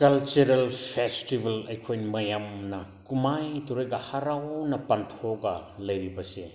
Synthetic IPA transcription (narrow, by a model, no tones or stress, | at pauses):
kɐlt͡ʃuɾɐlpʰestibʱɐlɐjkʰojnmɐjamnɐkumajtuɾojɡɐhaɾawnɐpɐntʰoɡɐlɐjɾibɐse